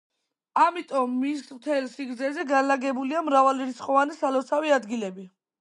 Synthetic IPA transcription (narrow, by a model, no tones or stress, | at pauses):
amit̪ʼɔmːismt̪ʰɛlsiɡɾd̪zɛzɛɡanlaɡɛbuliamɾavaliɾit̪sʰχqʼɔvanisalɔt̪sʰaviad̪ɡilɛbi